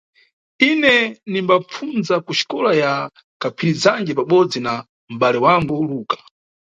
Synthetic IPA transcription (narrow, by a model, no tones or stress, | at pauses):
inɛnimbap͡funzakuʃi̥kɔlaja | kapʰiɾizaŋɡɛp̬aɓɔd͡zina | m̩ɓalɛwaŋɡuluːkḁ